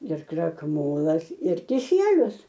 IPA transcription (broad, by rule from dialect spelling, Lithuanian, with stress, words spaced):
ɪr krɐkˈmoːlˠɐs ɪr kʲɪˈsʲiɛlʲʊs